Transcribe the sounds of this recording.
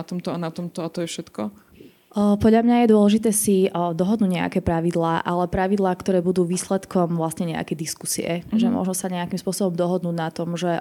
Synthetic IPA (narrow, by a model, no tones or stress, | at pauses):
at̪ɔmt̪ɔanat̪ɔmt̪ɔat̪ɔjɛfʃɛt̪kɔ | pɔd̪ʎamɲajɛd̪ʊɔlɛʒit̪ɛːsid̪ɔɦɔd̪nuːɟɲɛa̰kɛːpɾaʋid̪laːʔalɛpɾaʋid̪laːkt̪ɔɾɛːbud̪uːʋiːslɛt̪kʰɔmʋlasɲɛɲɛa̰kɛjd̪iskusḭɛ̰ʒɛmʊɔ̰ʒnɔsaɲɛakimspʊɔsɔbɔmd̪ɔɦɔd̪nuːɟnat̪ɔmʒɛ